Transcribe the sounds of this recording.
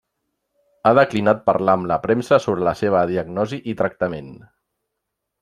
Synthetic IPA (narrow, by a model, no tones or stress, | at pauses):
aðəklinat̪̚pə̰ɾlaəmləpɾɛmsəsoβɾələseβ̞əðiəɡnɔziʔit̪ɾək̚t̪əmen